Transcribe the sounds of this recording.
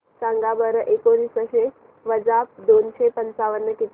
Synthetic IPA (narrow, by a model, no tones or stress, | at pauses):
sãŋɡabəɾəʔekoɾiːsəɕe | ʋəd͡ʒap̚d̪onʃepənt͡saʋənːəkit̪